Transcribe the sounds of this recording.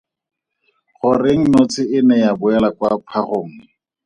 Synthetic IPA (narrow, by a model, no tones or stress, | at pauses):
χʊreŋ̩not͡sʰɪɪnɛjabʊɛlakwapʰaχoːŋ̩